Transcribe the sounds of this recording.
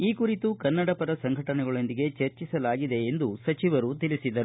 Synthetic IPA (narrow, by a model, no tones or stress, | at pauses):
iːkuɾit̪ukɐnːɐɽɐpɐɾɐsɐŋɡʱɐʈɐnɛɡɐɭo̞nd̪iɡe̞t͡ʃeɾt͡ʃisɐlaːɡid̪e̞ːnd̪usɐt͡ʃiʋɐɾut̪ilisid̪ɐɾu